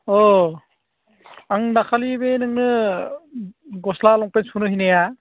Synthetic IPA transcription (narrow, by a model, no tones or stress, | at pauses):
ɔ | aŋnakʰalibenɯŋnɯ | ɡɔslalɔŋpensunɯɦineja